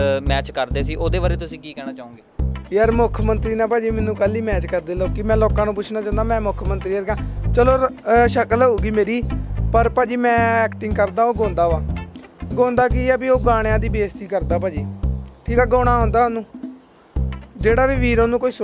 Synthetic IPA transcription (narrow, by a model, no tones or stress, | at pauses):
mɛːt͡ʃkəɾd̪eːsiːʔoːd̪eːʋaːɾeːt̪ʊsĩːkiːkɛːɽaːt͡ʃaːõːɡeːjəɾmʊkʰmənt̪ɾiːnãːpaːd͡ʒiːmɛːnũːkəliːmɛːt͡ʃkəɾd̪eːloːkɪmɛ̃ːloːkãːnũːpʊt͡ʃʰnaːt͡ʃãːnd̪aːmɛ̃ːmʊkʰmənt̪ɾiːjəɾkãːt͡ʃəloːʃəkəloːɡiːmeːɾiːpəɾpaːd͡ʒiːmɛ̃ːɛːkʈɪŋɡkəɾd̪aːoːɡõːnd̪aːʋaː | ɡõːnd̪aːkiaːbiːoːɡaːɽ̃ejãːd̪iːbeːst̪iːkəɾd̪aːpaːd͡ʒiːʈʰiːkaːɡõːɽ̃aːɦõnd̪aːonũː | d͡ʒeːɽaːʋiːʋiːɾoːnũːkoːiːs